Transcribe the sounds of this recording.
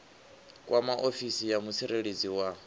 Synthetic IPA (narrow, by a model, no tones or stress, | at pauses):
kʼwʔamaʔofisijamusʰiɾeɺed͡ziwa